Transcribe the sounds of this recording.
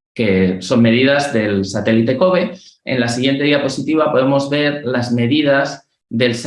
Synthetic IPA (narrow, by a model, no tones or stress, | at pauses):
ke̞so̞mmːe̞ð̞iðazðe̞lsat̪e̞lit̪e̞ko̞βe̞ḛnlasiɣje̞nt̪e̞ðiapo̞sit̪iβ̞apo̞ðe̞mo̞zβe̞ɾlazme̞ðið̞az | ðe̞ls